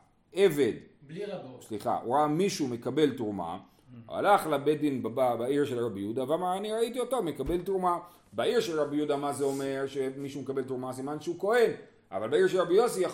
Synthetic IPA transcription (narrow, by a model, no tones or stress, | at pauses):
ʔe̞ve̞d | sliχa̰ʔṵʁamiʃume̞kabe̞ltʁuma̰ | a̰laχlabedinbababaiʁʃelʁabijud̪avamaʁaniʁaitiotome̞kabe̞ltʁuma | baiʁʃelʁabjud̪amazeo̞me̞ʁʃe̞miʃumekabe̞ltʁumasimanʃeuko̞e̞n | ʔa̰valbaiʁʃelʁabijosija